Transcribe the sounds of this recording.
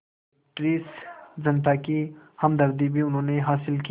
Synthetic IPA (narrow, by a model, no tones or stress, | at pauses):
ʈɾiːsd͡ʒɐnt̪akihɐmd̪ɐɾd̪ibʱiʊnɦõːneɦaːsɪlki